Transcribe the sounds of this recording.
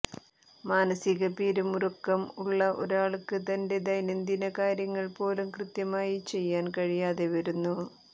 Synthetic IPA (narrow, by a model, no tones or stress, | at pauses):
maːnɐsiɣɐpiːɾumurukːɐmuɭːɐʔo̞̰ɾaːɭkɨt̪ɐnde̞d̪ɐjnend̪inɐkaːɾjɐŋːɐɭpo̞ːlumkrɨt̪jɐmaːjit͡ɕe̞jːaːnkɐɻijaːðeʋɐɾunːu